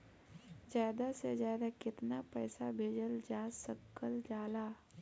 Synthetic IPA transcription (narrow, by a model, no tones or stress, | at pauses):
zjaːd̪asezjaːd̪akɪt̪napɛːsabʱeːd͡ʒəld͡ʒaːsəkːəld͡ʒaːlaː